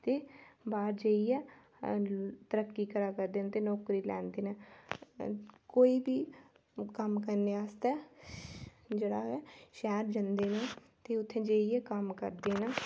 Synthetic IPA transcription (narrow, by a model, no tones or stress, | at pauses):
t̪eːbaːɾd͡ʒeːiɛː | t̪əɾəkːiːkəɾaːkəɾd̪eːnːt̪eːnɔːkɾiːlɛ̰ːnd̪eːnɛː | koːiːbʱiː | kəmkəɾneːaːst̪ɛː | d͡ʒeːɽaːɛːʃɛːɾd͡ʒənd̪eːnɛː | t̪eːʊt̪ʰːẽːd͡ʒeːiɛːkəmkə̰ɾd̪eːnɛː